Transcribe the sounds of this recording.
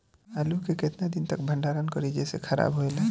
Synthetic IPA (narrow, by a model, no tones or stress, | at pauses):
alukeket̪nad̪int̪əkbʱəɳɖaɾənkəɾid͡ʒesḛkʰəɾa̰bɦoele